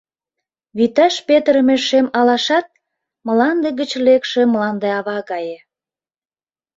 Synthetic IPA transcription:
βit̪ɑʃpet̪ɾəmeʃemɑlɑʃɑt̪̚ | məlɑnd̪eɣət͡ɕlekʃemlɑnd̪eɑβɑɣɑje

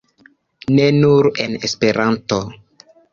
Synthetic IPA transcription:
ne̞nuɾenespe̞ɾʔanto

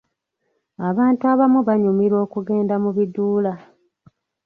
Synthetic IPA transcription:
aβaːntuaβamuβaɲumiɾo̞ːkuɡe̞ːndamuβiduːla

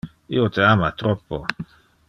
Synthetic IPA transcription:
ḭot̪eamat̪ɾɔpːo̰

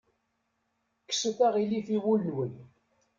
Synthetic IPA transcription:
kːsəθæʁilifiwulnwən

